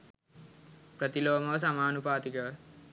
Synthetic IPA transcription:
pɾət̪iloːmɐʋəs̬amaːnupaːt̪ikəʋ

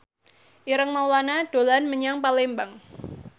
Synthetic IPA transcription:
ʔiɾəŋmawlanad̥olanməɲaŋpalembaŋ

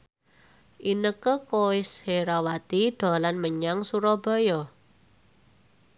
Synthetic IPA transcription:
ʔinəkəkoɪsheɾawat̪id̪̥ɔ̤lanməɲaŋsuɾɔbɔ̤jɔ

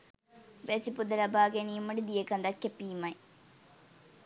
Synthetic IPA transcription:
ʋesipud̪ɐlɐbʱaːɡenimɐɽid̪ijekɐnd̪ɐkːɐpiːmɐj

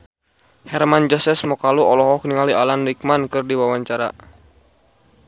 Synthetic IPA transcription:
hɛrmand͡ʒɔsɛsmɔkaluɔlɔɦɔk̚niŋalialanlik̚mankɨrdiwawaɲt͡ʃaɾa̰

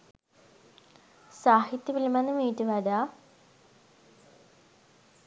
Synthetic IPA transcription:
saːhit̪jəʋiləmanəmiːʈəʋaɖaː

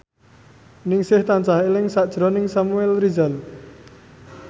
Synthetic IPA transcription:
nɪŋsɪht̪ant͡ʃahelɪŋsaʔd̥ʒ̥ɾɔnɪŋsamuɛlrizal

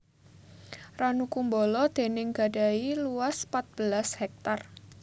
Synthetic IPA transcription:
ranukumbɔlɔd̪̥e̤nɪŋɡ̥a̤dailuaspat̪̚b̥əlashɛk̚t̪ar

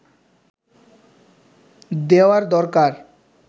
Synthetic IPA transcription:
d̪eoaɾd̪ɔɾkaɾ

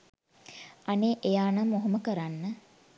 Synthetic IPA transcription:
aneːʔejaːnamːoɦɐməkəɾanːə

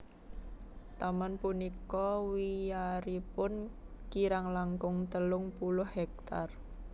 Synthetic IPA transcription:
t̪amanpunikɔwijaɾipʊnkiɾaŋlaŋkʊŋt̪əlʊŋpulʊhhɛk̚t̪ar

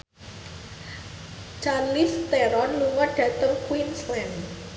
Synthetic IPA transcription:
t͡ʃarlist̪eɾɔnluŋɔɖ̥ä̤t̪əŋkwinslɛm

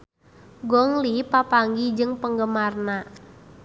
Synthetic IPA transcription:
ɡɔŋlipapaŋɡid͡ʒɨŋpəŋɡəmarna

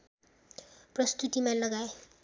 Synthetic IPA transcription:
prʌst̪ut̪imalʌɡaj

